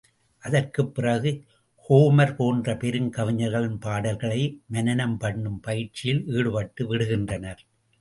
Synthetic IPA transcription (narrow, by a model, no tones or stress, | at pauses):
ʔɐðɐrkɯpːɪrɐɣɯ | hoːmɐɾpoːndrɐpɛɾɯŋkɐʋɪɲɐɾɣɐɭɪnpaːɽɐlɣɐɭɐɪmɐnɐnɐmpɐɳːɯmpɐjɪrt͡ʃɪjɪliːɽɯʋɐʈːɯʋɪɽɯɣɪndrɐnɐɾ